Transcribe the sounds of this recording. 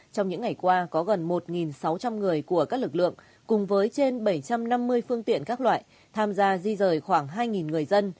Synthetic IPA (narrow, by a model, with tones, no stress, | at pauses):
t͡ɕɔ˧wŋ͡mɲɨ̰˧˥ŋa˨˩jkwaː˧kɔ˨˦ɣə˨˩nmo˨˩t̚ŋi˨˩nsa˨˦wt͡ɕa˧mŋɨ˨˩əjku˧˩əkaː˦˥k̚lɨ˨˩k̚lɨ̰˧˨əŋ | kʊ˨˩ŋ͡mvəː˨˦jt͡ɕe˧nɓə˧˩jt͡ɕa˧mna˧mːɨ˧əjfɨ˧əŋt̪ḭ˧˨ənkaː˦˥k̚lwa̰ː˧˨j | t̪ʰaː˧mzaː˧zi˧zəː˨˩jxwaː˧˩ŋɦaː˧jŋi˨˩nŋɨ˨˩əjzə˧n